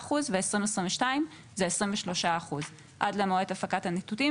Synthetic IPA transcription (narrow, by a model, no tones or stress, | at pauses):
χuzveesʁimvesʁĩɱveʃtaim | zeesʁimveʃlo̞ʃaaχuz | ʔadlemoet̪afakathanit̪uti